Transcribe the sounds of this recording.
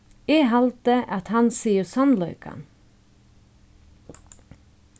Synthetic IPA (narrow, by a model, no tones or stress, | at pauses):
eːɦɑlt̪əʔɑt̪hɑnsiːəsɑnlœʏkʰɑ̰n